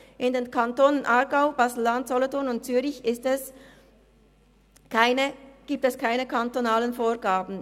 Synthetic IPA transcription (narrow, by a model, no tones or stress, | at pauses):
ʔɪndeːnkʰantoːnənʔaʁɡaʊb̥aːzl̩ːantz̥ɔlɔtʰɔɐnʊnt̚t͡syːʁɪçɪstɛs | kʰaɪnəɡ̥iːp̚tɛskʰaɪnəkʰantonaːlənfoːʁɡaːbn̩